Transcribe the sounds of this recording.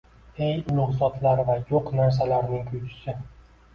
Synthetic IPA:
e̞jʊlʊʁzɒt̪laɾvajoqnaɾs̬alaɾnɪŋkʰʊjt͡ʃʰɪ̥sɪ

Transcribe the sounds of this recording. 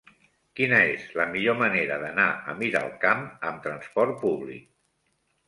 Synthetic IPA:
kinəezləmiʎoməneɾəðənaə̰miɾə̰lˠkaməmt̪ɾənspɔɾt̪̚puβlḭk̚

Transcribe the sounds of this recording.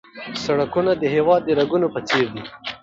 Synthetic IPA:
saɽakunad̪əɦewɑd̪̚ːəɾaɡunopət͡seɾd̪i

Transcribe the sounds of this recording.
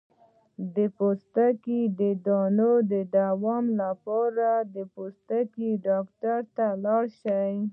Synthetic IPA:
d̪əpost̪akid̪əd̪ɑnod̪əd̪awɑmlapɑɾad̪əpost̪akiɖɑkʈaɾt̪alɑɽʃaj

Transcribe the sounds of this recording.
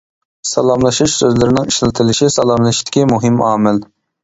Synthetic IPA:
sɑlˠɑmlˠɨʃuʃsøzlɪɾɪnɪŋiʃlɪt̪ʰɨlɪʃisɑlˠɑmlˠɨʃt̪ʰɪ̥kʲimuɦɪmɑːmɪl

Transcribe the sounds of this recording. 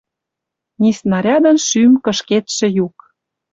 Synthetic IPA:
nisnɑɾʲɑd̪ə̆nʃymkə̆ʃket̪ʃĕjuk

